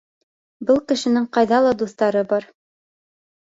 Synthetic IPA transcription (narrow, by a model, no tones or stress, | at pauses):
bɤlˠkɘ̆ʃɘ̆nɘŋqɑjðɑlˠɑd̪uθt̪ɑɾɤbɑɾ